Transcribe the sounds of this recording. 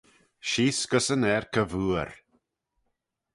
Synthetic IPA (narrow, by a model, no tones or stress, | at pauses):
ʃiːskəsənɛɾkʰəvuːəɾ